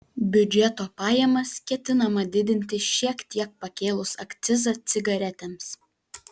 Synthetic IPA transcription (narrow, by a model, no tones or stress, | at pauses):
bʲʊd͡ʒʲɛt̪oːpɑːjɛmɐskʲɛt̪ʲɪnɐmɐd̪ʲɪd̪ʲɪnʲt̪ʲɪʃʲiɛkt̪ʲiɛk̚pɐkʲeːlˠʊsɐkt̪sʲɪzɐt̪sʲɪɡɐɾʲɛt̪ʲɛms